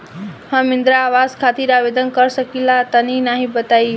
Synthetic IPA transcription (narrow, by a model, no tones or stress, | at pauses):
hʌmind̪ɾaːwaskʰat̪iɾabed̪ənkʌɾsʌkilat̪ʌninaɦĩbət̪aj